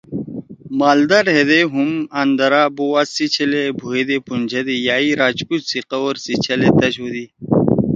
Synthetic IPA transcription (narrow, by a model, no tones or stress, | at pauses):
maːld̪ɐɾɦed̪eɦumɐnd̪ɐɾaːbowasit͡ɕʰɐlebʱuɦed̪epunʲd͡ʑʰʱɐd̪ijaːiɾaːt͡ɕkut͡ɕsiqɐwoɾsit͡ɕʰɐlet̪ɐɕod̪i